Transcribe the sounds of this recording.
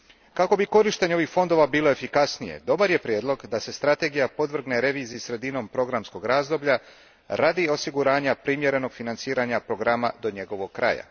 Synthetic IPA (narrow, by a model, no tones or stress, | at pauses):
kako̞biko̞ɾiʃt̪e̞ɲeoixfo̞nd̪o̞ʋabiːlˠo̞e̞fikasnije̞̰d̪o̞baɾje̞pɾjeːd̪lˠo̞ɡd̪ase̞st̪ɾat̪e̞ɡijapo̞d̪ʋr̩ɡneɾe̞ʋiːziisɾe̞d̪ino̞mpɾo̞ɡɾamsko̞ɡɾaːzd̪o̞bʎa | ɾad̪io̞siɡuɾaːɲapɾimje̞ɾe̞no̞ɡ̥finant̪siːɾaɲapɾo̞ɡɾamad̪o̞ɲe̞ɡo̞ʋo̞ɡ̚kɾa̰ja̰